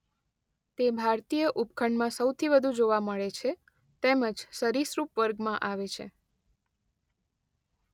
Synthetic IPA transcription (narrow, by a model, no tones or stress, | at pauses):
t̪ebʱaɾt̪ijəʔupkʰəɳɖmãsəwt̪ʰibəd̪ʱũd͡ʒoʋaməɭet͡ʃʰe | t̪eməd͡ʒsəɾisɾupʋəɾɡmãʔaʋet͡ʃʰḛ